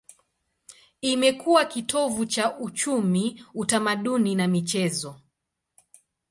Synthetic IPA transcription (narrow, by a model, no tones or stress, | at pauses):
imɛkuwakitʰɔvut͡ʃaʔut͡ʃumiutamaɗuninamit͡ʃɛzɔ